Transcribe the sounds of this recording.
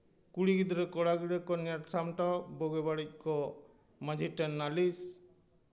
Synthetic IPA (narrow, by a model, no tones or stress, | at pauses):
kuɽiɡid̪ɔɾɛkɔɽaɡiɽɛkɔniaʈsamʈɔbɔɡɛbaɽic̚ˀkɔ | mad͡ʒʱiʈɛnːalis